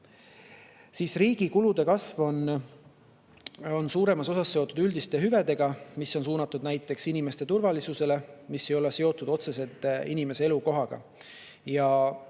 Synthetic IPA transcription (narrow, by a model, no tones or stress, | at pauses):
siːsriːɡ̥ikulud̪̥e̞kɑsvo̞n | o̞nsuːɾe̞mɑso̞sɑsːe̞o̞t̪ːˑud̪ylʲd̪ist̪e̞ɦyve̞d̪e̞ɡ̥ɑmisːo̞ns̬uːnɑt̪ːˑud̪næjt̪ːˑe̞ksinime̞st̪e̞t̪urvɑlisuse̞le̞misːe̞jo̞lese̞o̞t̪ːˑud̪̥o̞t̪se̞se̞lt̪ːˑinime̞see̞luko̞ɦɑɡ̥ɑ̰ | jɑ